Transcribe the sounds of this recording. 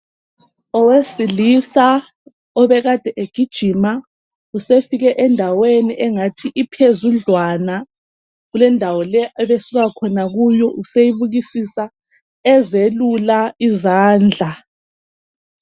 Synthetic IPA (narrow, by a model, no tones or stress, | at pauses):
ɔwesilisa | ɔβɛɣad̥ʱɛʔeɡ̥ʱid̥ʒ̥ʱima | usefiɣɛʔɛndʱaweniʔɛŋatʰiʔipʰezuɮwana | ɣulɛndʱawɔlɛɛβesiɣakʰɔnaɣujɔʔusejiβuɣisisa | ɛzelulaizaːnd͡ɮʱa